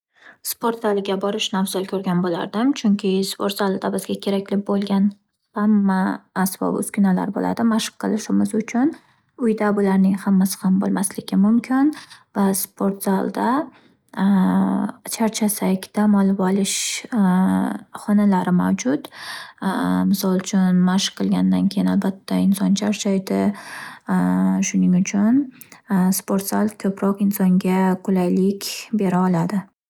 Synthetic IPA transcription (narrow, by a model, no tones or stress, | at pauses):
spʰoɾt̪zalˠɪɡʲabɒɾɪʃnawzɒlˠkʲʰɵɾɡʲanbola̰ɾd̪ɪmt͡ʃʰʊŋkʲʰɪspʰoɾt̪zalˠd̪abɪzɡʲakʲʰe̞ɾakʲlɪbolˠɡʲan | hamːaːsbɒ̰bʊ̰skʲʰʊnala̰ɾbo̰lʔa̰d̪ɪmaʃɨ̥qqʰːɨlˠɪʃɪmɪzʊt͡ʃʰʊn | ʊjd̪abʊlaɾnɪŋhamːasɪ̥hambo̰lˠmaslɪɡʲɪmʊmkʲʰɪnvaspʰoɾt̪z̥alˠd̪a | t͡ʃʰaɾt͡ʃʰasakʲd̪̥amɒlˠvɒlɪʃ | χɒnalaɾɪmawd͡ʒʊt̪ | mɪsɒlˠt͡ʃʰʊnmaʃqʰːɨlˠɡʲand̪ankʲʰejɪnalbat̪ʰːaɪnsɒnt͡ʃʰaɾt͡ʃʰajd̪ɪ | ʃʊnɪŋʊt͡ʃʰʊn | spo̞ɾt̪salˠkʰɵpɾɒqɪnsɒŋɡʲakʰʊlajlɪkʲbe̞ɾaɒlad̪ɪ